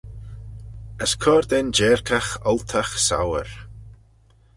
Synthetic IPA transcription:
əskʰɔɾd̪ɛnd͡ʒɛːɹkʰaxɔlt̪ʰaxsa̰wəɹ

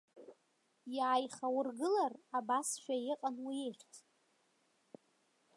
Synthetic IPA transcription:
jaːjχawʊrɡɨlarabasʃᶣajɪqʼanwieχʲtʰ

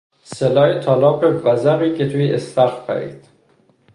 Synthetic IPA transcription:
selɒːjet̪ʰɒːlɒːpebæzæɾiːkʰet̪ʰuiʔest̪æɾfpʰæ̰ɾḭːd̪̥

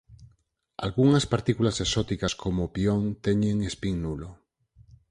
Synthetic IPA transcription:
a̰lɣuŋaspaɾt̪ikulasesot̪ikaskʰomopioŋt̪eɲẽŋespiŋnulo

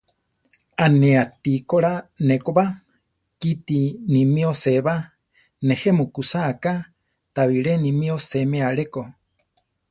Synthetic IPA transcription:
aneat̪ikoɺanekoba | kit̪inimioseβa | nehemukusaʔka | t̪aβiɺenimĩosemeaɺeko

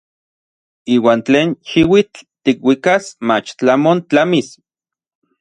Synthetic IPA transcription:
iːwaːnt͡ɬeːnʃiwit͡ɬt̪ikwikasmat͡ʃt͡ɬamont͡ɬamis

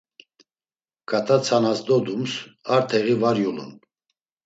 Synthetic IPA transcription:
kʰat̪ʰʼat͡sʰanasd̪ɔd̪umsaɾt̪ʰɛʁivaɾjulṵn

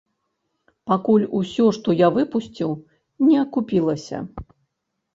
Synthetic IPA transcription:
pakulʲusʲɔʂt̪ɔjavɨpusʲt͡sʲiw | nʲɛɐkupʲilˠɐsʲɐ̰

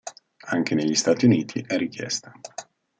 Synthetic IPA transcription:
aŋk̟ʰeneʎːist̪aːt̪iuniːt̪ʰiʔɛrːik̟jɛ̰st̪ḁ

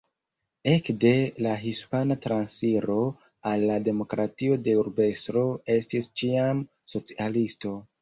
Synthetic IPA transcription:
e̞kde̞laɦispanatɾansiɾo̞ | alːade̞mo̞kɾatio̞de̞uɾbe̞stɾo̞e̞stist͡ʃiam | so̞t͡sialisto̞

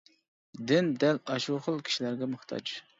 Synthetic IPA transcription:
d̪ɪnd̪ɛlɑʃuχəlˠkʲʰi̥ʃilæɾɡʲɛmɨχt̪ʰɑ̰t͡ʃ

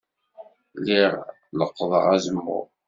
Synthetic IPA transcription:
liʁ | ləqːðˤə̰ʁæzəmːṵ

